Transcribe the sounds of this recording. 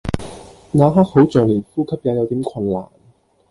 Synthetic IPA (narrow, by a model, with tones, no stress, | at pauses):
naː˨˧ɦaː˥k̚ho˨˥wt͡ʃœː˨ŋliː˨˩nfuː˥kʰɐ˥p̚jaː˨˧˥jɐ˨˧wt̪iː˨˥mkʰɐ˧nla̰ː˨˩n